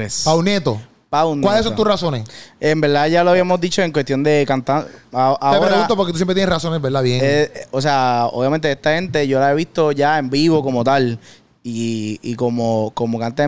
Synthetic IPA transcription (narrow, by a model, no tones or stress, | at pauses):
espawnet̪o | pawnkwalesot̪usrasonesembe̞ɾd̪aʝaloaβiamozd̪it͡ʃo̞eŋkwest̪jo̞nd̪e̞kant̪aʔat̪eopeɾaɣũnt̪op̬oɾket̪usjempɾet̪jenerasonebeɾd̪aβjeŋeos̬eao̰βjamẽnt̪̬eest̪ahe̞nt̪e̞ʝo̞laeβist̪o̞ʝaembiβo̞ko̞mo̞t̪al | iiko̞moko̞mokant̪e